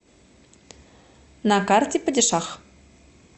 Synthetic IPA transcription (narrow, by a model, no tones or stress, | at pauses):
nɑkɑrt̪ʲipə̆dʲə̆ʃɑχ